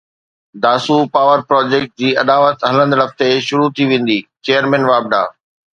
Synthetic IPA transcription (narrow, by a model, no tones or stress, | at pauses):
d̪aːsupaːʋəɾpɾɔːd͡ʑeːk̚ʈ̚d͡ʑiːɐd̪aːʋət̪ɦɐlə̃nd̪lɐft̪eʃʊɾut̪ʰiʋẽːn̆d̪iːt͡ɕeːjəɾmɛ̃ːnʋaːb̚d̪a̰ː